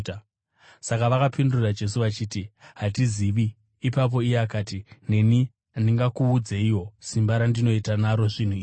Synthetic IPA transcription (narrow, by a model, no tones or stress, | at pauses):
sakaʋakapindurrad͡ʒe̞s̬uʋat͡ʃiːtiɦatiziʋiː | pap̬o̞ijeakaːtine̞ni | ndiŋɡakuːd͡ze̞ijo̞simbaɾandino̞itanaɾo̞ʐin̤uiːʐi